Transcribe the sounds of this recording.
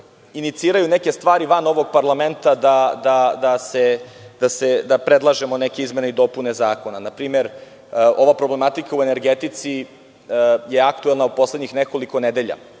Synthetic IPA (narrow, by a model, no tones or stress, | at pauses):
init̪siːɾajunekest̪ʋaːɾiʋano̞ʋoɡ̚paɾlament̪ad̪ad̪ad̪ased̪ased̪apɾed̪lˠaʒe̞mo̞nekeizme̞neid̪o̞pune̞zaːko̞nanapɾiːmeɾ | o̞ʋapɾoble̞mat̪ikauene̞ɾɡet̪it̪si | jeakt̪uelˠnaupo̞slˠedɲixneko̞liko̞ned̪e̞ʎa̰